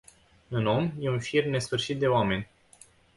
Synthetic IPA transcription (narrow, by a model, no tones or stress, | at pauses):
ɨno̞mje̞unfirmne̞sfɨrʃit̪̚d̪e̞oame̞nʲ